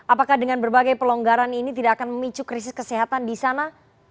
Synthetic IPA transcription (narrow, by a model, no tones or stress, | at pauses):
ʔapakahdəŋanbərbaɡajpəloŋɡaɾaninit̪idaʔakanməmit͡ʃukɾis̬ɪskəseɦat̪andisana